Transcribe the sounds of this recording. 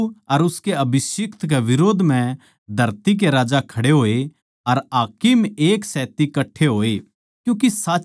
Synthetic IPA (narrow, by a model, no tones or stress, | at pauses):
ɐɾʊskeɐbʱɪsɪkt̪k̬eʋɪɾoːd̪ʱmɛ̃ | d̪ʱɐɾt̪ik̬eɾaːd͡ʒakʰɐɽeɦoːe | ɐɾaːkɪmeːksɛːt̪ikɐʈʰeɦoːe | kjũːk̬isaː